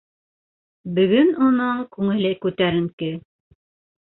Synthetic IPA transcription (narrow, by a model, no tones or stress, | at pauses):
bɵ̆ɡɵnunɤɴkʉŋɘ̆læjkʉt̪æɾɘ̆ŋkɘ